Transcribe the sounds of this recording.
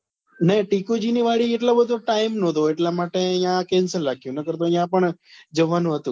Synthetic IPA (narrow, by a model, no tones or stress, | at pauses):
neʈikud͡ʒiniʋaɭieʈlobəd̪ʱoʈaimnõd̪oeʈlamaʈeəjãkɛnsəlːakʰjũnəkəɾt̪oijãpəɳd͡ʒəʋanũɦət̪ũ